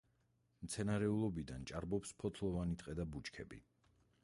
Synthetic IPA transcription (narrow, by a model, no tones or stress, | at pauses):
mt̪sʰɛnaɾɛulˠɔbid̪ant͡ʃʼaɾbɔpspʰɔt̪ʰlˠɔvanit̪ʼqʼɛd̪abut͡ʃkʰɛ̰bḭ